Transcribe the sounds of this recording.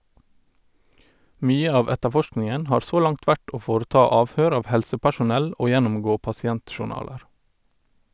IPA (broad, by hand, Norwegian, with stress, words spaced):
ˈmyːə ˈɑːʋ ˈɛtəˌfɔʃknɪŋən ˈhɑːɹ ˈsoː ˈlɑŋt ˈʋæʈ ˈoː ˈfoːɾəˌtɑː ˈɑːʋˌhøːɾ ˈɑːʋ ˈhɛlsəpæʃʊˌnɛl ˈoː ˈjɛnʊmˌɡoː pɑsɪˈɛntʃʊˌɳɑːləɾ